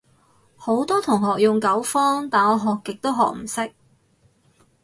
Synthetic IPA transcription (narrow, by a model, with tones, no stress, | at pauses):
ho˨˥wt̪ɔː˥t̪ʰʊ˨˩ŋɦɔː˨k̚jʊ˨˩ŋkɐ˨˥wfɔː˥ŋt̪aː˨nɔː˨˧ɦɔː˨kːɪ˨k̚t̪o˥wɦɔ̰ː˨k̚m̩˨˩sɪ˥k̚